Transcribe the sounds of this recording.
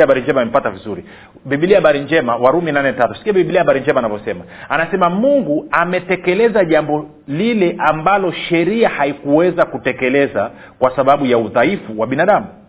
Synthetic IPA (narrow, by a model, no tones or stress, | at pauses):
aɓaɾiɲd͡ʒɛmaim̩patavizuɾi | ɓiɓiliahaɓaɾiɲd͡ʒɛmawaɾuminanɛtatusi̥kiaɓiiɓiliahaɓaɾiɲd͡ʒɛmaːnavɔsɛma | anasɛmamuŋɡuamɛtɛkɛlɛzaʄambɔ | lilɛʔambalɔʃɛɾiahaikuwɛzakutɛkɛlɛza | kwasaɓaɓujauðaifuwaɓinaɗamu